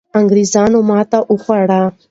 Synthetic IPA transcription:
əŋɡɾiːzaːnõmãːt̪aʔuxaːɽaː

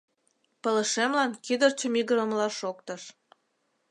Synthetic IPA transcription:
pə̆lə̆ʃemlɑnkid̪ərt͡ɕəmiɣəɾə̆mlɑʃok̚t̪ɤ̆ʃ

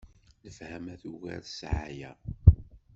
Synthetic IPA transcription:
ləfhæmæθuʝæ̰ɾsʕajæ

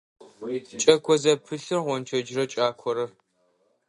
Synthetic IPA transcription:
t͡ʃʼɐkʷʰɔzɐpʰɨɬɨrʁʷɔnt͡ʃʰɐd͡ʒɪrɐt͡ʃʼaːkʷʰɔɾɐr

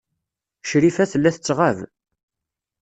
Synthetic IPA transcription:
ʃɾifæθəlːæθət͡sːʁav

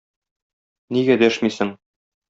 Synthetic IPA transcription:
niɡæd̪æʃmisɘŋ

